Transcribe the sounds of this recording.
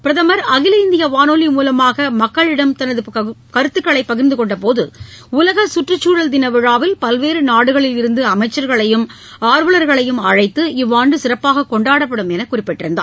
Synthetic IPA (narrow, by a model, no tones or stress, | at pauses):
pɪɾɐðɐmɐɾɐɣɪlɐɪnd̪ɪjɐʋaːnoːlimuːlɐmaːɣɐmɐkːɐɭɪɽɐmt̪ɐnɐðɯkɐɾɯt̪ːɯkːɐɭɐɪpːɐɣɪɾnd̪ɯkɔɳɖɐpoːðɯʊlɐɣɐsʊʈrɯt͡ʃːuːɻɐld̪ɪnɐʋɪɻaːʋɪlpɐlʋeːɾɯnaːɽɯɣɐɭɪlɪɾɯnd̪ɯɐmɐɪt͡ʃːɐɾɣɐɭɐjɯm | aːɾʋɯlɐɾɣɐɭɐjɯmɐɻɐɪt̪ːɯɪʋːaːɳɖɯsɪɾɐpːaːɣɐkɔɳɖaːɽɐpːɐɽɯmɛnɐkːʊrɪpːɛʈːɪɾɯnd̪a̰ː